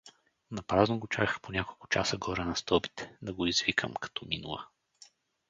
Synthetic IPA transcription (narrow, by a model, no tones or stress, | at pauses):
nɐpɾaznoɡot͡ʃakxponʲakolˠkʊ̥t͡ʃa̰səɡɔɾɛnɐst̪ɔbit̪ɛ̥d̪ɐɡoizvikʰə̰mkɐ̥t̪ɔminṵlˠə̰